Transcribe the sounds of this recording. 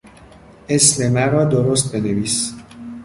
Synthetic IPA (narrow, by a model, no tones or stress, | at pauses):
esmemænɾɒːd̪oɾost̪̚be̞neviːs